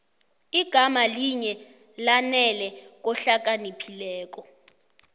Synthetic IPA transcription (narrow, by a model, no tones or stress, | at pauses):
iɡ̥ʱamaliɲɛ | lanɛlɛk̬ɔɬak̬ʼanipʰilɛːk̬ɔ